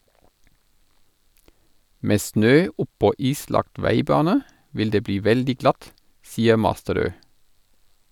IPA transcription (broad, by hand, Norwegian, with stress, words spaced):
ˈmeː ˈsnøː ˈʊpɔ ˈiːslɑkt ˈʋæɪˌbɑːnə ˈʋɪl ˈdeː ˈbliː ˈʋɛldɪ ˈɡlɑt ˈsiːə ˈmɑstəˌɾøː